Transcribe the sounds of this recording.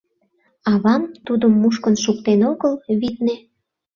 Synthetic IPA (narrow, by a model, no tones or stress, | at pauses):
ɑβɑmt̪ud̪əmːuʃkənʃukt̪enoɣəlβit̪̚ne